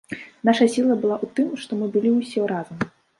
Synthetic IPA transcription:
naʂɐsʲilˠɐbɨlˠaʔut̪ɨmʂt̪ɔmɨbɨlʲiusʲɛɾazɐm

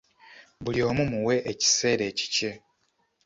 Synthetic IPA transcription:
βulio̞ːmumuwe̞ʔeci̥se̞ːɾe̞ːci̥ce̞

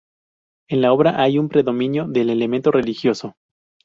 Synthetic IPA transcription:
e̞nlao̞β̞ɾaʔajumpɾe̞ðo̞mĩnjo̞ðe̞le̞le̞mẽ̞nt̪o̞re̞lixjo̞so̞

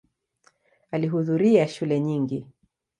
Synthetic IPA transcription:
aliɦuðuɾiaʃulɛɲiŋɡi

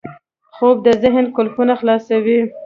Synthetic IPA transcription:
xob̚d̪əzɪɦnkʊlxunaxlɑsawi

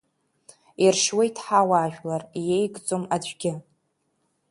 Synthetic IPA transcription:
irʂwajtʰħawaːʒᶣlarjejɡt͡sʼomaɡʲɪ

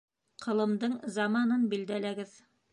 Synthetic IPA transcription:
qʰɤ̆lˠɤ̆md̪ɤɴzɑmɑnɤnbild̪ælæɡɘð

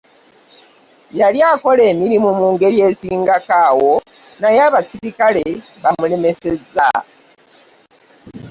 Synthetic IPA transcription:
jaljaːko̞le̞ːmiɾimumuːŋɡe̞ɾje̞ːsiːŋɡakaːwo̞ | najaβasiβikaleβamule̞me̞se̞za̰

